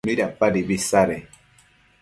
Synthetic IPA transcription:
miɾapaɾibisaɾe

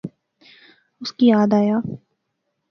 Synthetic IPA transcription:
ʊskijaːd̪aːjaː

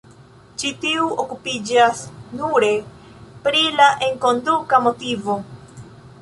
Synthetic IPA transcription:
t͡ʃitiuʔokupid͡ʒasnuɾe̞ | pɾilaʔe̞ŋko̞ndukamotivo̞

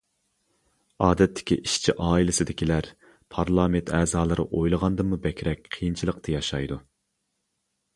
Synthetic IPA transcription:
ɑːd̪ɛt̪ʰːɪ̥kʲḭʔiʃt͡ʃʰiʔɑːilˠɪsɪd̪ɪkʲilæɾ | pʰɑɾlˠɑːment̪ʰɛːzɑːlˠɨɾɨʔojlˠəʁɑnd̪ɨmubɛkʲʰɾɛk̚ʲqʰijint͡ʃʰilˠəqt̪ʰɨjɑʃɑjd̪u

